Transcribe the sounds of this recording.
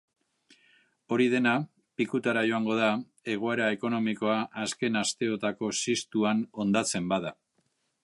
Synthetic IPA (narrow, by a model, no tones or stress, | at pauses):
o̞ɾiðe̞na | pikut̪aɾaʝo̞aŋɡo̞ð̞a | e̞ɣ̞o̞e̞ɾae̞ko̞no̞mikoaʔːske̞nast̪e̞o̞t̪ako̞sist̪uano̞nd̪at͡se̞mbaða